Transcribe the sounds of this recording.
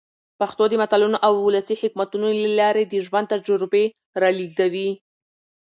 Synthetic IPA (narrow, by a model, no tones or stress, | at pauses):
paxt̪od̪əmat̪ɑlunoʔawʊləsihɪkmat̪unolalɑɾed̪əʒwand̪t̪ad͡ʒʊɾbe | ɾɑliɡ̪̚awi